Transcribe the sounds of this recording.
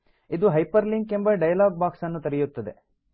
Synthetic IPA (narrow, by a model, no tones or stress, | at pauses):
id̪uɦɐjpɐɾliŋkembɐɖɐjɐlaːɡ̚baːksɐnːut̪ɐɾijut̪ːɐd̪e̞̰